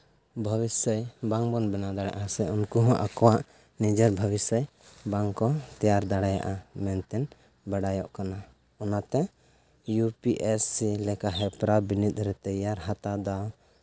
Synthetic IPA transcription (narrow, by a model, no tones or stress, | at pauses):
bʱɔbisəjbaŋbɔnbɛnad̪aɽa̰ʔasɛunkuɦɔ̃ʔakɔwaʔ | nid͡ʒəɾbʱəbisəj | baŋkɔt̪ɛjaɾd̪aɽaja̰ʔamɛnt̪ɛn | baɽajɔʔkana | ɔnat̪ɛ | jupiʔɛsilɛkaɦɛpɾabinit̪̚ˀɾɛt̪ɛjaɾɦat̪ad̪aw